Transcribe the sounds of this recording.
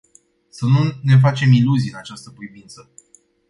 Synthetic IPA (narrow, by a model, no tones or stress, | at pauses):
sənune̞f̬at͡ʃe̞miluziɨnat͡ʃast̪əpɾivint̪sə